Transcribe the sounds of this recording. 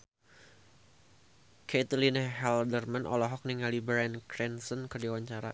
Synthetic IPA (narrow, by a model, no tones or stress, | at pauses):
kʰɛt̪əlineɦɛldərmanʔɔ̰lɔɦɔk̚niŋalibɾɛnkɾɛnsɔnkərdiawaɲt͡ʃaɾa̰